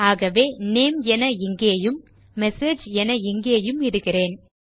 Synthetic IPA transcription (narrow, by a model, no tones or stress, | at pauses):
aːɣɐʋeːneːmɛnɐɪŋɡeːjɯmː | ɛseːd͡ʒɛnɐɪŋɡeːjɯmɪɽɯɣɪreːn